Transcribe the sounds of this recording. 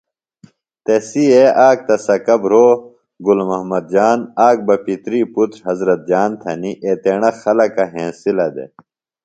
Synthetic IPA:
t̪esieaːk̚t̪ɐsɐkɐbɾoː | ɡulmɐɦmɐd̪̚d͡ʑaːnaːk̚bɐpit̪ɾiːput̪ɾɦɐzɾɐt̪̚d͡ʑaːnt̪ʰɐniʔeːt̪eːɳ̃ɐxɐlɐkɐɦẽːsilɐd̪ḛ

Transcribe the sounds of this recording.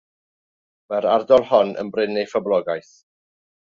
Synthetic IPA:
mɛɾardɔlˠhɔnə̰nbrɪnejfablˠɔɡajθ

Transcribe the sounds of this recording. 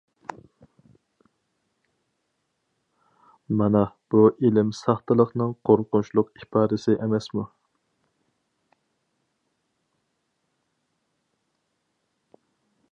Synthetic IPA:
mɑnɛb̥uʔilɪmsɑχt̪ɨlˠəχnɨŋqʰoɾqʊnt͡ʃʰlˠʊqipʰɑːd̪ɨsɪʔemɛsmu

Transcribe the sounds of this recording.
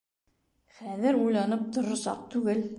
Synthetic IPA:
χæðɘɾujlˠɑnɤp̚t̪ŏɾŏsɑ̰q̚t̪ʉɡɘl

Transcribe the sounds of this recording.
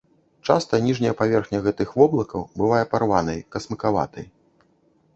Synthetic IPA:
t͡ʂa̰st̪ɐnʲiʐnʲɐjɐpavʲɛrxnʲɐɣɛt̪ɨxvɔblˠɐkɐwbɨvajɐparvanɐjkɐsmɨkava̰t̪ɐ̰j

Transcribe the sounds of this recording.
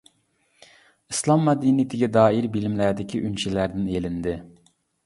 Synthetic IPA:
ɨslˠɑmːɛd̪init̪ʰɪɡʲɛd̪ɑːiɾbilɪmlæɾd̪ɪkʲʰiʔynt͡ʃʰelæɾd̪ɪnelɪnd̪ɪ

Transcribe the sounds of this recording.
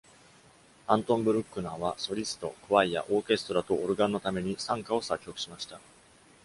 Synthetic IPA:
ãnt̪õ̞mbɯ̟ɾɯ̟kːɯ̟naːβaso̞ɾʲisɨ̥t̪o̞̰kɯ̟βaija̰ʔo̞ːke̞sɨ̥t̪o̞ɾat̪o̞ʔːɾɯ̟ɡãnːo̞t̪ame̞ɲ̟isãŋkao̞sakʲːo̞kɯ̟ɕimaɕi̥t̪a

